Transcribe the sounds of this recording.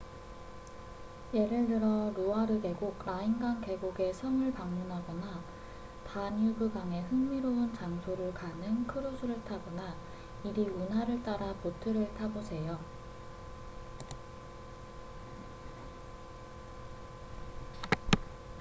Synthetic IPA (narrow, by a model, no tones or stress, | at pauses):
je̞ɾɯɭdɯɾʌɾoaɾɯde̞ɡoɡ̚ɾainɡaŋke̞ɡoɡe̞sʰʌŋɯɭpaŋmunɦaɡʌna | paɲubɯɡaŋe̞hɯŋmiɾount͡ɕaŋsʰoɾɯɭkanɯnkʰɯɾosʰuɾɯɭtʰabʌna | iɾiunɦaɾɯɭt͈aɾapotʰɯɾɯɭtʰabosʰe̞jo